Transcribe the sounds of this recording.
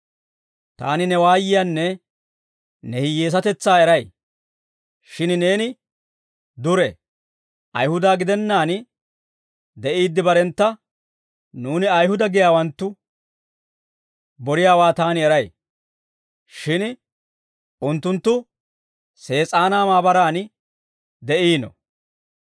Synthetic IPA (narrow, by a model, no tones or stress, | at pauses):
t̪a̰ːnɪnɛwaːjɪjaːnːɛ | nɛhɪjeːs̬ɐt̪ɛt͡sːaːɛɾɐj | ʃɪnne̞ːnɪ | d̪ʊɾɛ̰ | ʔɐ̰jhʊd̪aːɡɪd̪ɛnːaːn | d̪ɛʔiːd̪ːɪbɐɾɛnt̪ːɐ | nuːnɪɐjhʊd̪ɐɡɪjaːwɐnt̪ːʊ | bɔɾɪjaːwaːt̪aːnɪɛɾɐj | ʃɪn | ʊnt̪ːʊnt̪ːʊ | se̞ːt͡sʼaːnaːmaːbɐɾaːn | d̪ɛʔiːnɔ̰